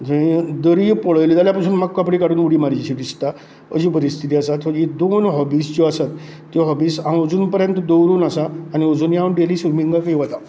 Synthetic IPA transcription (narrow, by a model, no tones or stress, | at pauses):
d͡ʑəĩd̪əɾipɔɭəjliːd̪aljapasuːnmaɡkapɽikaɽuːnuɽiːmaɾd͡ʑɕid̪ist̪a | ə̰d͡ʑipəɾist̪ʰit̪iasat̪ɔd͡ʑid̪onɦɔbisd͡ʑɔasat̪ː | jɔɦɔbiːsãəd͡zuːnpəɾjənt̪əd̪əwɾuːnasaːniəd͡zuːnjãwɳʈeliːsuɾmiŋɡakəiʋat̪a